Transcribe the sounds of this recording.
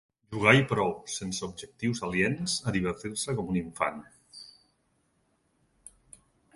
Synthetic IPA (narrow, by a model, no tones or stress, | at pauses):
ʒuɣ̞ajpɾɔwsensəubʒək̚t̪iwzaljenzəðiβ̞ərt̪iɾsəkɔmuniɱfa̰n